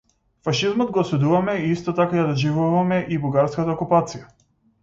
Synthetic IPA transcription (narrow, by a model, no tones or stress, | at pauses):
faʃizmɔd̪̚ɡɔːsud̪uvamɛiist̪ɔt̪akajad̪ɔʒivuvamɛʔibuɡaɾskat̪aɔkupat̪sija